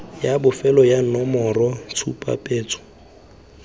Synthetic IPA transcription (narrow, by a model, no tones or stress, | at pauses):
jabʊfɛlɔjanɔmɔrɔt͡sʰupʼa̰pʼeːt͡sʰʊ̥